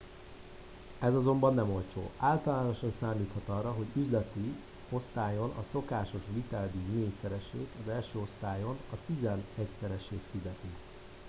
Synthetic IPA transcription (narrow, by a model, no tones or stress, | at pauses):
ɛzɒzo̞mbɒnːɛmo̞lt͡ʃo̰ːaːlt̪ɒlaːno̞ʃɒnsaːmliːt̪hɒt̪ɒrːɒɦo̞ɟyzlɛt̪i | o̞st̪aːjo̞nʔɒ̰so̞kaːʃo̞ʃʋit̪ɛld̪ymeːcsɛɾɛʃeːt̪ɒzɛlʃøːo̞st̪aːjo̞nɒt̪izɛnɛcsɛɾɛʃeːt̪fizɛt̪i